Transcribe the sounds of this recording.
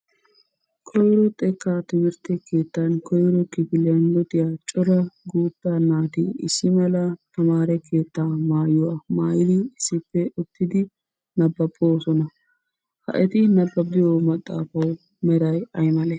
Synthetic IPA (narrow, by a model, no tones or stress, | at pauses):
kʰɔjɾɔt̪ʼɛkːaːt̪ɪmɪɾt̪ɛke̞ːt̪ːɐnkɔjɾɔkːɪpɪlɪjɐnlɔt̪ɪjaːt͡ʃʼɔɾɐɡuːt̪ːanːaːt̪ɪɪ̰sːɪmɐlɐt̪ʰɐmaːɾɛkʰe̞ːt̪ːaːmaːjʊwaːmaːjɪd̪ɪɪsːɪpːɛʊt̪ːɪd̪ɪ | nɐbːɐbʼoːsɔnɐ | hɐ̰ʔɛt̪ɪnɐbːɐbɪjomɐt̪ʼːa̰ːfɐw | mɛɾɐjɐjmɐlɛ